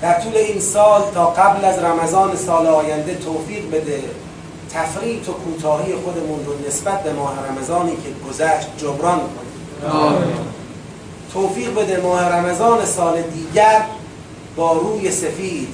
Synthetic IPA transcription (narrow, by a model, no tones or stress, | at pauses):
d̪̥æɾt̪ʰuːle̞iːnsɒːlt̪ʰɒːɡæblæzɾæmæzɒːne̞sɒːleɒːjænd̪e̞t̪ʰoːfiːʁbe̞d̪e | t̪ʰæfɾiːt̪ʰokʰuːt̪ʰɒːhiːjexod̪emunɾone̞sbæt̪̚be̞mɒːheɾæmæzɒːniːcʰeɡozæʃt̪̚d͡ʒobɾɒːnkʰoniːmː | t̪ʰoːfiːɣbe̞d̪emɒːheɾæmæzɒːne̞sɒːle̞d̪iːɟæɾ | bɒːɾuːje̞sefiːd̪̥